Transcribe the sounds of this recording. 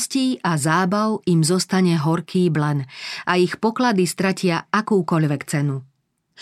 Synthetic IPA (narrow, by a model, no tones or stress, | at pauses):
sciːʔazaːbaʊimzɔst̪aɲɛɦɔɾkʰiːblɛnʔaixpɔklad̪ist̪ɾacɪaakuːkɔʎʋɛkt͡sɛnu